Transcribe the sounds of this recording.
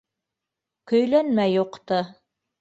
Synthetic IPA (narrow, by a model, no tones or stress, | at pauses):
kɵ̆jlænmæjːuqt̪ɤ